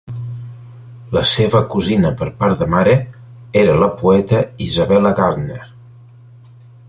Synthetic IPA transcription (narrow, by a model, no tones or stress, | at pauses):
ləseβəkuzinəpəɾpaɾðəmaɾə | eɾələpuɛt̪əizəβɛləɣarneɾ